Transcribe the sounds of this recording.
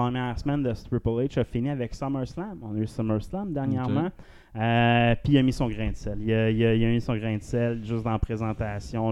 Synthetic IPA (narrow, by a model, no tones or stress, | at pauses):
χəmjɛːʁsəmɛnd̪əst̪ɹupɔlet͡ʃəfiniavɛksʌməɹslãmɔ̃nəysɔməɹslãmd̪ɛʁnjɛʁmã | əpiəmisɔ̃ɡʁɛ̃d̪sɛliəiləiləmisɔ̃ɡʁɛ̃d̪sɛlʒʏsd̪ɑ̃pχezɑ̃t̪asjɔ̃